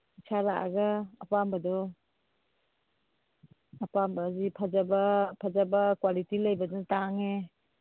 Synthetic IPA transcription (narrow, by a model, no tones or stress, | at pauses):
isʰalaʔa̰ɡaːpambɐdɔ | ɐpambɐzipʰazabɐpʰazabɐkwalitilɐjbɐdɔtaŋe